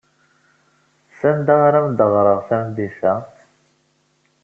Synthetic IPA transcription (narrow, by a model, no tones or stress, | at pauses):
sænd̪aʁaɾamd̪əʁɾˤəʁθæmd̪ifæ